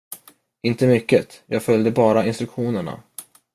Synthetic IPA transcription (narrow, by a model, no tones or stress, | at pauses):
ɪnt̪əmʏkːət̪jɑːɡfœljd̪əbɑːɾaɪnst̪ɾɵkɧuːnəɳa̰